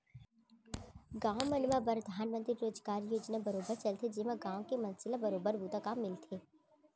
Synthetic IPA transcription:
ɡãːʋmɐnmapɾəd̪ʱaːnmə̃nt̪ɾiɾoːd͡ʒɡaːɾjoːd͡ʒnabɐɾoːbəɾt͡ʃɐlt̪ʰed͡ʒɪmãɡãːw̃kemɐ̃nsɪlabɐɾoːbəɾbut̪akaːmːɪlt̪ʰeː

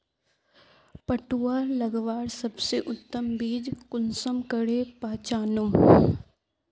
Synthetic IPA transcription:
pɐʈuːalɐɡʋaːɽsɐbseʔʊt̪ːəmbiːd͡ʒkʊnsəmkəɽepaːt͡ʃaːnum

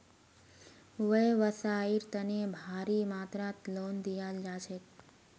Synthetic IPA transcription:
ʋəjʋəsaiɾt̪ənebʱaɾimaːt̪ɾãt̪lond̪ijald͡ʒat͡ʃʰe

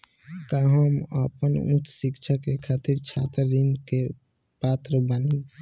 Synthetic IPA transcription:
kaɦəmə̰pənṵ̃t͡ʃsikt͡ʃʰakekʰaːt̪iɾt͡ʃʰaːt̪əɾːinke | pat̪ɾəbəni

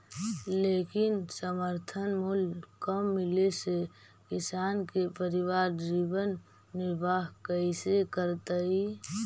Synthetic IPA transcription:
leːkɪnsəməɾt̪ʰənmulkəmːɪlese | kɪsaːnkepəɾɪʋaːɾd͡ʒiːbənː | ɪɾbaːɦkəisekəɾt̪əi

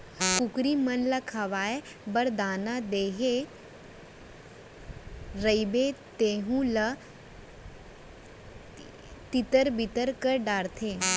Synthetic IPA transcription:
kukɾimɐnlɐkʰaʋaːe | bəɾd̪aːnad̪eːɦe | ɾəibet̪eːɦũlə | t̪it̪əɾbit̪əɾkəɾɖaːɾt̪ʰeː

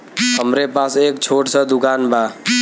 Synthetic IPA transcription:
ɦəmɾepasekt͡ʃʰoʈsəd̪ʊkanba

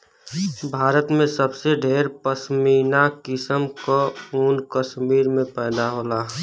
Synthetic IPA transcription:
bʱaːɾət̪mẽsəbseɖʱeːɾpəʃmiːnakɪsəmkouːnkəʃmiːɾmẽpɛːd̪aɦoːla

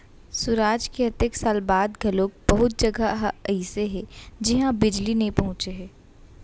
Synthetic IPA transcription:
sʊɾaːd͡ʒkeɐt̪eksaːlbaːd̪ɡʱɐlok̚bɐɦʊt̪̚d͡ʒɐɡaɦɛɪseɦɛd͡ʒɪɦãbɪd͡ʒlinepɐɦʊ̃t͡ʃeɦɛː

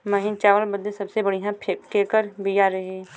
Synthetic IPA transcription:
mɐɦĩnt͡ʃaːʋəlbəd̪esɐbsebɐɽiɦãpʰkeːkəɾbijaːɾɐɦiɛ

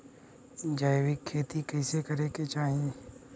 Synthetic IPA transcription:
d͡ʒaːjʋɪkʰːeːt̪ikəɪsekəɾeːket͡ʃaːɦẽ

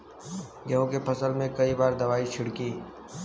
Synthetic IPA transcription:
ɡɐõkepʰɐsəlmẽkɐibaːɾd̪ɐʋaːit͡ʃʰʊɽkiː

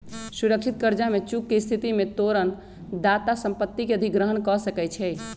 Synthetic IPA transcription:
suɾək̚t͡ʃʰit̪̚kəɾd͡ʒamet͡ʃukːest̪ʰit̪imet̪oɾən | d̪at̪asəmpət̪ːikeəd̪ʱiɡɾəɦənkɔsəkɛt͡ʃʰɛ

